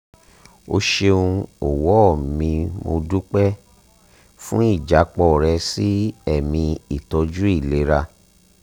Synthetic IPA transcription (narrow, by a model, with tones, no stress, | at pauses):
o˧ʃe˧ũ˧o˨wɔ˨˦˨mĩ˧mo˧du˦k͡pɛ˦ | fũ˦i˦˨d͡ʒa˨˦k͡pɔ˦˨ɾɛ˧si˦ɛ˦˨mĩ˧i˨tɔ˧d͡ʒu˦i˦˨le˨˦ɾa˧